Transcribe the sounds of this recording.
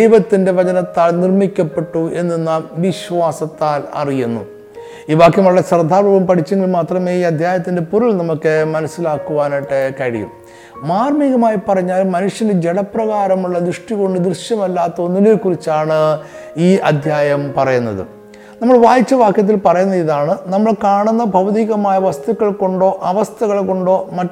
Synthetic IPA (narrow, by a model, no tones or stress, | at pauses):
ejʋɐt̪ːinde̞ʋɐd͡ʑɐnɐt̪ːaːlnirmikʲːɐpːe̞ʈːuʔe̞nːenːaːmʋiɕʋaːsɐt̪ːaːlɐ̰rijunːṵ | iːʋaːkjɐmɐɭɐɭɐsrɐd̪ʱaːbuːbɐmpɐʈʰit͡ɕːɐŋɡɐlmaːt̪rɐme̞ːiːɐd̪ʱjaːjɐt̪ːinde̞puɾulnɐmukːɨmɐnɐsːilaːkːuʋaːniʈːekɐɻḭjṵm | maːrmiɣɐmaːjipɐrɐɲːaːlmɐnuʂjɐnd͡ʑeɽɐpːrɐɣaːɾɐmuɭːɐd̪rɨʂʈiɣo̞ɳɖɨd̪rɨʂjɐmɐlːaːt̪ːɐonːineːkurit͡ɕːaːɳɨiːʔɐd̪ʱjaːjɐmpɐrɐjunːɐ̰ðɨ̰ | nɐmːɐɭʋaːjit͡ɕːɐʋaːkjɐt̪̬ːilpɐrɐjunːɐðiðaːɳɨnɐmːɐɭkaːɳunːɐbʱɐʋɐðiːɣɐmaːjɐʋɐst̪ukːɐɭko̞ɳɖo̞ːʔɐʋɐst̪ʰɐɣɐɭko̞ɳɖo̞ːmɐ